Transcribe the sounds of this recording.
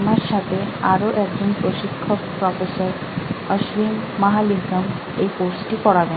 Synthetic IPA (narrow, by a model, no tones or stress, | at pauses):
maɾʃat̪ʰeaɾoʔɛk̚d͡ʑonpɾoʃikʰːokpɾɔfesəɾ | əʃɾimːaɦalikəm | ejfoɾsʈipɔɽabe